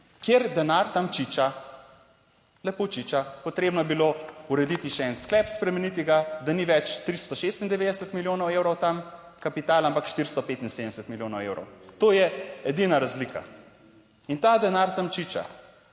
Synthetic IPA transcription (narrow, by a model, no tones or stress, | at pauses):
kjeɾd̪ɛnaɾt̪amt͡ʃit͡ʃa | lɛpot͡ʃit͡ʃapɔt̪ɾeːbnɔjɛbilouɾɛd̪it̪iʃɛɛnsklɛpspɾɛmɛnit̪iɡad̪aniʋɛt͡ʃt̪ɾist̪ɔʃest̪ind̪ɛʋeːd̪ɛsət̪miljoːnɔwewɾɔwt̪am | kapit̪aːlampakʃt̪iɾst̪ɔpet̪insed̪nɛsɛt̪miljoːnɔwewɾɔ̰wt̪oːjɛɛd̪inaɾazlikʰa̰ | int̪ad̪ɛnaɾt̪amt͡ʃit͡ʃa̰